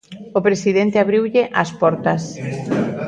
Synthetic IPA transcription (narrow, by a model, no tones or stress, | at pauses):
opɾesiðent̪ɪaβɾiwʎɪʔaspɔɾt̪ɐs